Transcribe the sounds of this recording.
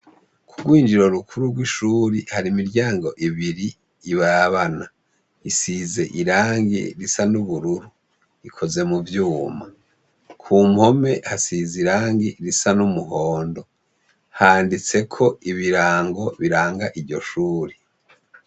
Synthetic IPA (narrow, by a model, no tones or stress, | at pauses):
kʰuɡwiːnd͡ʒiɾo̞ɾukuɾuɾɡwiʃuːɾihaɾimiɾɟaːŋɡo̞ʔiβiɾiː | βaβana | isize̞ʔiɾaːŋɡḭɾisanuβuɾuɾu | ikʰo̞ze̞muvjuːma | kʰumho̞me̞hasiziɾaːŋɡiɾisanumuɦoːndo̞ | haːndit͡se̞kʰo̞iβiɾaːŋɡo̞βiɾaːŋɡaʔiɾɟo̞ʃuːɾi